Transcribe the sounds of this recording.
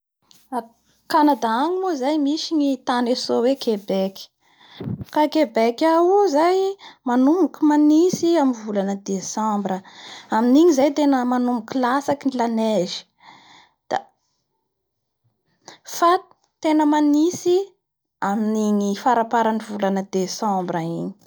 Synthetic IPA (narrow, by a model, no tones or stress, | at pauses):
a | kanad̪aaŋimuzajmiʃiɲit̪anesowekebekʲi̥ | kakebekʲawuzajmanumukumanisiamivulanəd̪esãmbrəaminiɲizajt̪enəmanumukʲilasakinilaneʒi̥ | d̪̥a̰ | fḁ | t̪enəmanisi | aminiɲifaɾapaɾanivulanəd̪esãmbɾaiɲi̥